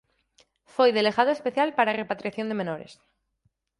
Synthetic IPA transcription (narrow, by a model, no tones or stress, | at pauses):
fojðe̞leɣað̞oespe̞θjalpaɾare̞pat̪ɾiaθjo̞nd̪eme̞noɾḛs